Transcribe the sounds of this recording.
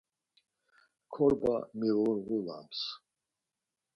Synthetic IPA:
kʰɔɾba̰miluɾɣula̰ms

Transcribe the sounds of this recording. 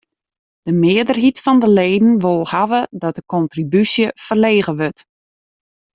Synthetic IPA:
d̥əmɪədərɦitfɔndəleːdn̩ʋolˠhaʋədɔt̚dəkɔntribysjəfərleːɣəʋøt

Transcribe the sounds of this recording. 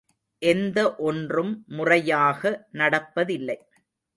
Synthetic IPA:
ʔɛnd̪ɐʔɔndrɯmːʊrɐjaːɣɐnɐɽɐpːɐðɪlːɐɪ

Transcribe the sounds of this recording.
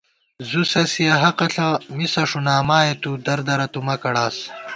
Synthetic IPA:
zusɐsiɐɦɐqɐɬɐmisɐʂunaːmaːjet̪ud̪ɐɾd̪ɐɾɐt̪umɐkɐɽaːs

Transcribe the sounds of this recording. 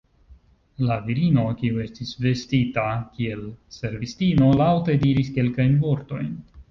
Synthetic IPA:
laviɾino̞kiue̞stisve̞stitakie̞lse̞ɾvistino̞lawte̞diɾiske̞lkajnvo̞ɾto̞jn

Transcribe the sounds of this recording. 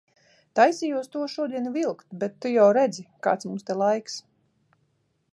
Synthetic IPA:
t̪ajsijuɔst̪uɔʃuɔd̪iɛnvilˠkt̪bɛt̪ːujawɾɛd̪zika̰ːt̪smumst̪ɛlˠajks

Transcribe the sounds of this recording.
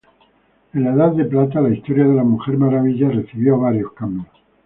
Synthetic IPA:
ẽ̞nlaeðaðːe̞plat̪alaist̪o̞ɾjað̞e̞lamuxe̞ɾmaɾaβ̞iʎare̞θiβjoaβaɾjo̞skambjos

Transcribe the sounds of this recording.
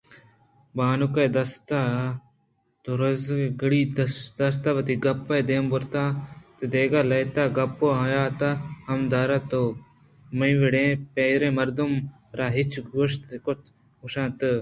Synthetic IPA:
baːnukɐjd̪ɐst̪a | t̪oɾɐzɡɐɽiːd̪d̪ɐs̬t̪aʋɐt̪iɡɐpːɐjd̪eːmbʊɾt̪ãːt̪ɨd̪eːɡaːlɐjt̪aːɡɐpːoːɦɐjaːt̪ahɐmd̪aːɾɐt̪o | mɐĩʋeɽẽːpeːɾẽːmɐɾd̪um | ɾaːɦɪt͡ʃɡoʃt̪kot̪ʰ | ʊʃãːt̪ɨ

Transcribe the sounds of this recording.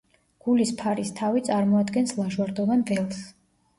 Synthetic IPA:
ɡ̥ulispʰaɾist̪ʰavit̪sʼaɾmɔad̪ɡɛnslˠaʒwaɾd̪ɔvanvɛlˠs

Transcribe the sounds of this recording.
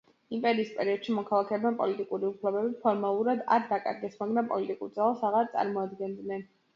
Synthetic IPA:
impʼɛɾiːspʼɛɾiɔd̪̥ʃimɔkʰalˠakʰɛːbnanpʼɔlit̪ʼikʼuɾiupʰlɛbɛbipʰɔɾmalˠuɾad̪a̰ɾd̪akʼa̰ɾɡɛsmaɡɾampʼɔ̰lit̪ʼikʼuɾd̪zalˠasaʁaɾt̪sʼa̰ɾmɔad̪ɡɛnd̪nɛn

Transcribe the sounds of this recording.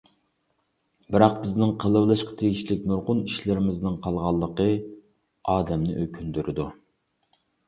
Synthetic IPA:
bɪɾɑq̚bɪznɪŋqʰəlˠəblˠɨʃqʰɑ̥t̪ʰeɡʲiʃlɪk̚ʲnuɾqʊniʃlɪɾɪmɪznɨŋqʰɑlˠʁɑlˠːəqə | ɑːd̪ɛmnɪ̰ʔøkʲʰynd̪yɾɪd̪u

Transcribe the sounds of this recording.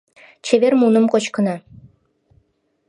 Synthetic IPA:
t͡ɕʰeβermunəmqot͡ɕkɤ̆nɑ

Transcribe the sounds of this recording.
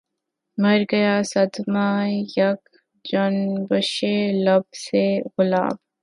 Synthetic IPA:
mɐɾɡəjaːsɐd̪majɐk | d͡ʒɔnbəʃelɐbseɣʊla̰ːb

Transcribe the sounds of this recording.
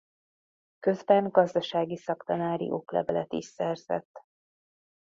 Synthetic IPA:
kø̞zbɛŋɡɒzd̪ɒʃaːɡisɒkt̪ɒnaːɾḭʔo̞klɛ̰vɛ̰lɛt̪iʃsɛrz̥ɛ̰t̪ː

